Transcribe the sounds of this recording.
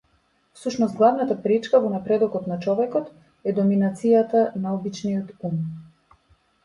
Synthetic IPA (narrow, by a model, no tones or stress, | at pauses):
fsuʃnɔst̪ɡlˠavnat̪apɾit͡ʃkavɔnapɾɛd̪ɔkɔt̪nat͡ʃɔvɛkɔt̪ | ɛd̪ɔminat̪sijat̪anaɔbit͡ʃnijɔt̪um